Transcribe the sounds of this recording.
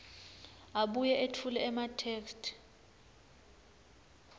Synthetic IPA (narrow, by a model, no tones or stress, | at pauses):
aɓujɛʔetʰulɛːmatʰeːkstʰ